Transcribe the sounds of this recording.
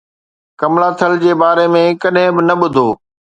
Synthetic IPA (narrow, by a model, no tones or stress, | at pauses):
kɐmlaːt̪ʰəld͡ʑeːbaːɾemẽkɐɗɦɪ̃bɪnɐɓʊd̪ʱoː